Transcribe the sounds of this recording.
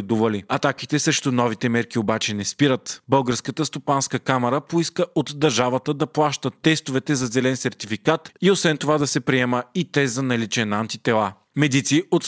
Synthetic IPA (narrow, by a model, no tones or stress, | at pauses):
ɛd̪uvəliɐt̪ak̟it̪ɛsɛʃt̪onɔvit̪ɛmɛɾkiobat͡ʃɛnɛspiɾət̪bɤlˠɡəɾskət̪əst̪opanskəkamɛɾəpoiskəʔot̪d̪ɐɾʒavət̪əd̪ɐplˠaʃt̪ət̪ːɛst̪ovɛt̪ɛzɐzɛlɛnsɛɾt̪ifikat̪iosvɛnt̪ovad̪ɐsɛpɾiɛməit̪ɛzɐnɐlit͡ʃɛnant̪it̪ɛlˠa | mɛd̪it̪siot̪